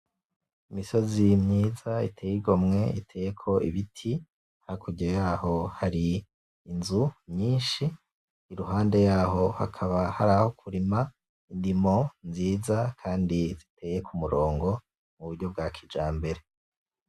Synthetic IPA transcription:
imiso̞zimɲiːzaitʰeːjiɡo̞mŋe̞ḭtʰe̞ːjekʰo̞iβitʰi | hakʰuɟiojaːho̞haɾiː | nzumɲiːnʃiː | ɾuɦaːnde̞jaːɦo̞ha̰kʰaβahaɾahokʰuɾima | indimo̞nziːzakʰaːndizitʰe̞ːje̞kʰumuɾo̞ːŋɡo̞ | muβuɾɟo̞b̚ɡaːkʰid͡ʒaːmbe̞ɾe̞

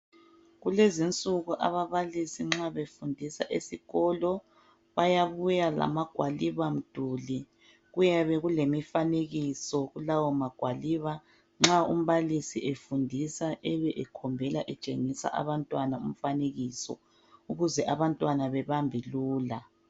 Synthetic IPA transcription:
ɣulezint͡sʼuɣuʔa̰βaβalisiŋ͡ǁaβefundʱisa̰ʔesiɣɔlɔ | βajaβujala̰maɡ̥ʱwaliβam̩d̥ʱuli | ɣujaβɛɣulemifaneɣisɔɣulawɔmaɡ̥ʱwaliβa | ŋ͡ǁaṵm̩βalisiʔefundʱisaʔɛβɛʔɛkʰɔmbʱɛlaʔɛt͡ʃʼḛŋisa̰ʔa̰βantʼwanaum̩faneɣisɔ̰ | uɣuzɛʔaβantʼwanaβɛβambʱiluːla

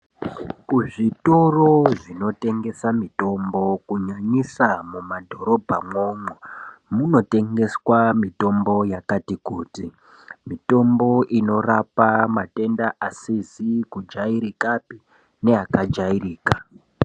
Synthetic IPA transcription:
kuʐito̞ro̞ʐino̞te̞ŋɡe̞samito̞mbo̞kuɲaɲisamumadʱo̞ɾo̞bʱamo̞momuno̞te̞ŋɡe̞swamito̞mbo̞jakatikuːti | mito̞mbo̞ʔino̞rapamate̞ndaʔasizikud͡ʒaiɾikapi | ne̞akad͡ʒairiːka

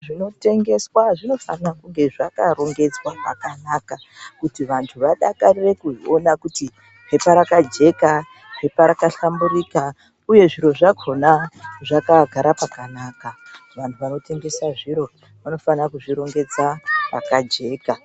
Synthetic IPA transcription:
ʐino̞te̞ŋɡe̞swaʐino̞fa̰nakuŋɡe̞ʐakaɾo̞ŋɡe̞d͡zwaɦa̰kanaka | kutiʋantʰuʋaɗakarire̞kuonakuti | ɦepaɾakad͡ʒe̞ka | ɦe̞paɾakaɬambuɾika | uje̞ʐiɾo̞ʐaɡʰʱonaʐakaɡʱaɾapakanaːka | ʋantʰuʋano̞te̞ŋɡe̞saʐiɾo̞ | ʋano̞fanakuʐiɾo̞ŋɡe̞d͡zara̰kad͡ʒe̞ːka

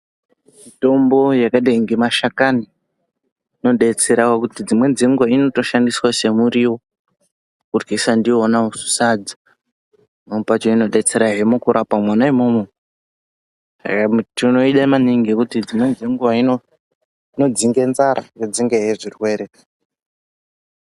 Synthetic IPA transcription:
mito̞mbo̞jakaɗeŋɡemaʃakani | no̞ɗe̞t͡se̞ɾakakutid͡zimwe̞d͡zeŋɡuwaino̞to̞ʃandiswase̞muɾiwo | kurɡisandiːnausu̥saːd͡za | nomupat͡ʃoino̞ɗe̞t͡se̞ɾaɦemukuɾʔapamwanaimomwe | sa̰kamtino̞iɗamaniŋɡekutid͡zimwe̞d͡zeŋɡuwaino | no̞d͡ziŋɡenzaɾa̰jod͡ziŋɡeɦeʐirkueɾea

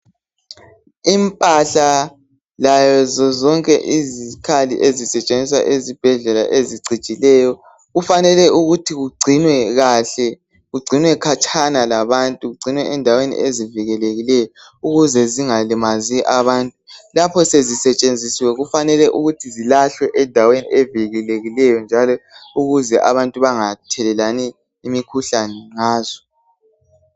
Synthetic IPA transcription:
impʼaɬa | lajɔzɔzɔŋkʼɛ̰ʔizikʰalḭʔezisɛt͡ʃʼend͡zʱiswa̰ʔezib̥ʱɛɮɛla̰ʔeziɡ͡ǀʱit͡ʃʼilɛːjɔ | ɣufanɛlɛʔuɣutʰiɣuɡ͡ǀʱinwɛɣaːɬɛ | ɣuɡ͡ǀʱinwɛkʰat͡ʃʰanalaβantʼuɣuɡ͡ǀʱinwɛʔɛndʱawenḭʔeziviɣɛleɣilɛjɔ | uɣuzɛziŋalimaziʔaβaːntʼulapʰɔsezisɛt͡ʃʼend͡zʱisiwɛɣufanɛlɛʔuɣutʰizilaɬwɛʔɛdʱaweniɛviɣileɣilɛjɔnd͡ʒʱalɔuɣuzɛʔaβantʼuβaŋatʰɛlɛlani | imikʰuɬanɛŋaːzɔ̥

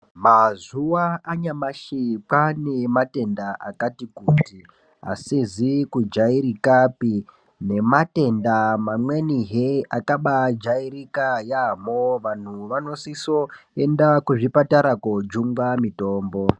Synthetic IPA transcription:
mazuwaːɲamaʃik͡pane̞mate̞ndaʔa̰katikuːtti | a̰sizikud͡ʒaiɾikapi | ne̞mate̞ndamamwe̞niɦeakaɓad͡ʒaiɾikajamoʋan̤uʋano̞siso̞e̞ndakuʐipataɾakod͡ʒuŋɡamito̞ːmbo

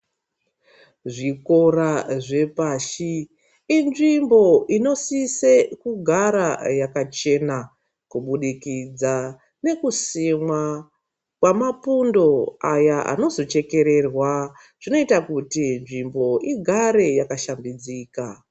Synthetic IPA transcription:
ʐiko̞raʐe̞paːʃiː | nʐimbo̞ʔino̞sise̞kuɡʱaɾajakat͡ʃe̞na | kuɓuɗikid͡za | ne̞kusimwa | kwamapundo̞ajaʔa̰no̞zo̞t͡ʃe̞ke̞ɾe̞rwa | ʐ̥ino̞itakutinʐimbo̞ʔiɡʱaɾe̞jakaʃambid͡ziːka

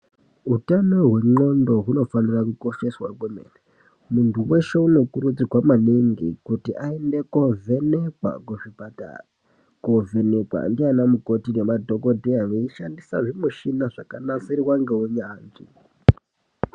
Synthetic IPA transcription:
ɦutanoɦwe̞ŋ͡ǃo̞ndo̞ɦuno̞fanirakuko̞ʃe̞swa̰kwemḛne | muntuwe̞ʃe̞uno̞kuɾud͡ziɡʱwamaniŋɡḭkutiʔaende̞kove̞nekwa̰kuʐibata̰ra | kove̞nekwa̰ndianamuko̞tinemadʱo̞ko̞dʱiaŋeiʃandisaʐimuʃinaʐakanasiriwaŋɡeuɲaːnzi

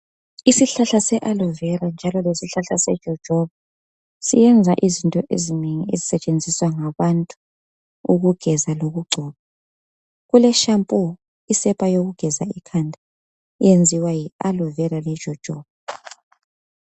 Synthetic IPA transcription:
isiɬaɬasɛʔalɔvɛrand͡ʒʱalɔlesiɬaɬasɛ̰̥ʒ̥ʱɔd̥ʒ̥ʱɔβa | sḭjɛnd͡zʱaʔizintʼɔʔḛzineŋiezisɛt͡ʃʼend͡zʱiswaŋaβantʼu | uɣuɡ̥ʱɛzaloɣuɡ͡ǃʱɔːβa | ɣulɛʃampʼɔ | isɛpʼajoɣuɡ̥ʱɛzaikʰandʱa | jend͡zʱiwajialɔvɛɾalɛ̥ʒ̥ʱɔd̥ʒ̥ʱɔːβa

